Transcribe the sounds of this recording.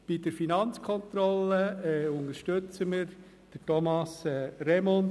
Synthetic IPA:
b̥id̥əɾfinɑnt͡skʰɔnt̪ɾɔləɛʊnəɾʃtɵt͡səməɾ | d̥ətɔmɑsɛɾɛmɔn

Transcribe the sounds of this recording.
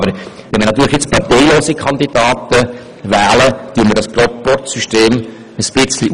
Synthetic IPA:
bəɾ | ʋɛnmənɑt̪yːɾləχjɪt͡spɑrtɛɪloːsikʰɑnd̪id̥ɑːt̪ə | væːlət̪yːnməɾdɑspɾɔt̪pɔɾt̪syʃteːm | əsb̥ɪt͡sliʔ

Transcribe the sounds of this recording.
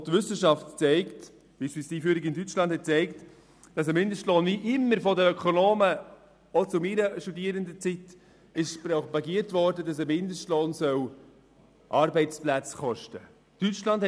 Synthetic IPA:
tvʏsəʃɑftt͡sɛɪkt | b̥iʃpiːstiːfyːɾɪkɪndyt͡ʃlɑnd̥hɛt̚t͡sɛɪkt | d̥ɑs̬əmɪndəʃtloːnviʔɪmːəɾfɔdəœkʰɔnoːmə | ɔt͡sʊmiɾəʃtudiəɾəndət͡sit | ɪʃpɾɔpɑɡiətvɔɾdədɑs̬əmɪndəʃtloːnsœw | ʔɑːɾbɛɪt͡splæt͡sχɔʃtə | tyt͡ʃlɑnd̥h

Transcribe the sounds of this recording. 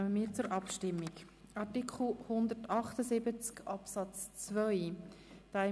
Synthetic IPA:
məmiːɾt͡sʊɾʔɑpʃtɪmːɪk | ɑɾtikχl̩ˠhʊnd̪ərtɑχt̪əsɪbət͡skɑpsɑt͡st͡svœʏd̥aɪ

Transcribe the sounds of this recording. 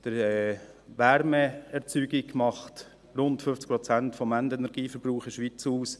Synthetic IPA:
d̥əɾɛ | ʋæɾmɛɛɾt͡syːɡiɡmɑχt | rʊntfʏft͡sk̚pɾɔt͡sæntfɔmændɛnɛɾɡ̥iːfəɾbɾuːχɪʃʋit͡suːs

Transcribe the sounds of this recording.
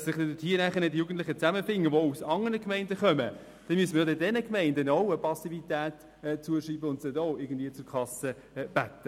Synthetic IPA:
sɪχd̥ɛdɪthiːənæχəɾnɪtdjuːɡən̩tlɪχət͡sæməfɪŋːəʋousɑŋənəkmɛɪndəχœmə | d̥ɛnmyəsməjodɛdɛnəkmɛɪndənoʊəpɑsivit̪æːtː | t͡suəʃiːbəʊntsɛdɔːɪɡən̩dviət͡sʊɾkʰɑsə | b̥æt̪ːə

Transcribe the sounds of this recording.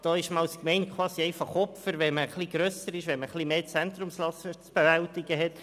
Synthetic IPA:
d̥ɑːɪʃmɑlskmɛɪnkχwɑːsiɛɪfɑχɔpfəɾʋɛnməχliɡ̥ɾœːsəɾɪʃʋɛnməχlimeːt͡sænt̪rʊmslɑsət͡sb̥evæltiɡəɦɛt

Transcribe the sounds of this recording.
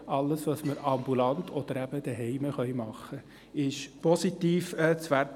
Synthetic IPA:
ɑlːəsʋɑsməɾɑmbulɑnt̪ʰɔd̥̪əɾæb̥əd̥̪ɛɦɛɪməχœʏmɑχːə | ɪʃpɔsit̪iːfɛt͡sʋæɾ

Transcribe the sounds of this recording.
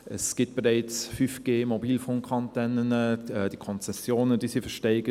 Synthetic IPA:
ɛsɡ̥ɪt̚b̥eʁɛɪt͡sfyfɡ̥eːmɔbiːlfʊŋkʰɑntɛnənəɛd̥iəkʰɔnt͡sɛsjoːnəd̥iːsifəʃtɛɪɡə

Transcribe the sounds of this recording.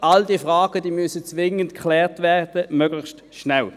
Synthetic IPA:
aldiəfʁaːɡ̥əd̥iːmysət͡sʋɪŋəntkʰχlɛːʁtvɛːʁd̥əmøːɡlɪxst | ʃnɛl

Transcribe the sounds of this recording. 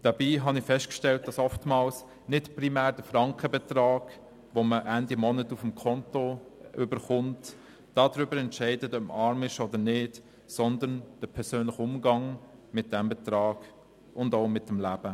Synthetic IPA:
d̥ɑbiːɦɑnɪfɛstkʃtɛlt̚d̥ɑsɔftmɑːls | nɪtprimæːɾd̥əfɾɑŋkəbɛtɾɑːɡ̥ | ʋoməʔændimɔnətufəmkʰɔntoʔʏbəɾχʊnt | d̥ɑːdɾʏbəɾɛntʃɛɪdətœpmɑɾmɪʃɔdənɪːd | sɔndənd̥əpʰɛɾsøːnləχʊmɡɑŋmɪt̚d̥ɛmbɛt̪ɾɑːɡ̥ | ʊndoʊmɪt̚ːəmlæb̥ə

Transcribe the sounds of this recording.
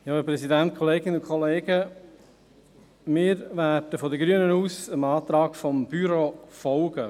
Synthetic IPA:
jɑːəpɾɛsidænt̪̚kʰoleːɡɪnəʊkʰχɔleːɡə | mɪːɾʋæːdəfɔd̪əɡɾyənənuːsəmɑːt̪ɾɑːɡfɔmb̥yɾofɔlɡə

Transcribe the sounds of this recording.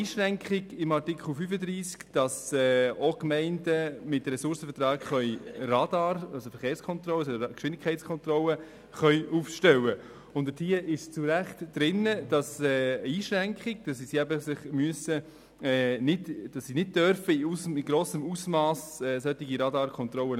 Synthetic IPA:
iːʃɾɛŋkχɪɡɪmɑrtɪkʰχl̩ˠfyfədɾiːskd̥ɑsɛːokmɛɪndəmɪtɾɛsʊɾsəfətɾɑːkχœʏɾɑdɑːɾɑlsofɛɾχeːɾskʰɔnt̪rɔlːəsɔdkʃʋɪndɪkʰχɛɪtt͡sskʰɔnt̪rɔlə | χœʏʔuːfʃtɛwə | ʊndəd̥iəʔɪʃt͡suɾæχtd̥ɾɪnəd̥ɑsɛːiːʃɾɛŋkχɪɡ̥̚d̥ɑsːisiæbəsɪχmyəsə | ɛnɪdd̥ɑsːinɪd̚d̥œɾfəiusəɪɡɾoːsəmuːsmɑːsɛsœtːiɡiɾɑdɑːɾkʰɔnt̪rɔlən

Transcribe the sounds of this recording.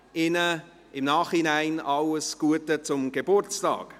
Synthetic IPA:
ɪnə | ɪmnɑːχhinaɪnɑləsɡ̥uətət͡sʊmɡ̥ebʊɾt͡stɑ̰ːk

